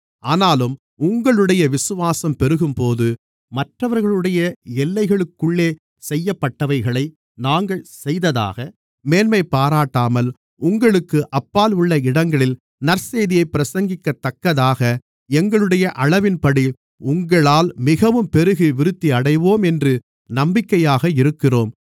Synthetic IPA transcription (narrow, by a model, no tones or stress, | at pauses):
ʔaːnaːlɯm | ʊŋɡɐɭɯɽɐjɐʋɪsɯʋaːsɐmpɛɾɯɣɯmpoːðɯ | mɐʈrɐʋɐɾɣɐɭɯɽɐjɐɛlːɐɪɣɐɭɯkːɯɭːeː | sɛjːɐpːɐʈːɐʋɐɪɣɐɭɐɪ | naːŋɡɐɭsɛjðɐða̰ːɣɐ | meːnmɐɪpːaːɾaːʈːaːmɐl | ʊŋɡɐɭɯkːɯʔɐpːaːlʊɭːɐɪɽɐŋɡɐɭɪl | nɐɾseːðɪjɐɪpːɪɾɐsɐŋɡɪkːɐt̪ːɐkːɐðaːɣɐ | ɛŋɡɐɭɯɽɐjɐʔɐɭɐʋɪnpɐɽi | ʊŋɡɐɭaːlmɪɣɐʋɯmpɛɾɯɣɯʋɪɾɯt̪ːiɐɽɐɪʋoːmɛndrɯ | nɐmbɪkːɐjaːɣɐɪɾɯkːɪroːm